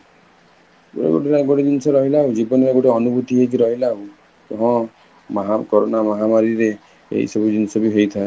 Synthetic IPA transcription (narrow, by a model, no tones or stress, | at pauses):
ɡoɽḛɡo̰ʈeɾaɡoʈed̪inɔsɔɾɔɦilaɦud͡ʒibɔneɾeɡoʈeɔnubut̪iɦekiɾɔɦilaɦu | kɔɦɔ̃ | mɦakɔɾonamɔɦamaɾiɾe | ḛɦḭsɔbud̪inɔsɔbiɦejt̪ʰae